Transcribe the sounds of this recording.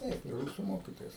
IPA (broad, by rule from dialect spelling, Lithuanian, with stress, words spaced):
ˈtɐɪp ɪ ˈruːsʊ ˈmoːkʲiːtoːjɛs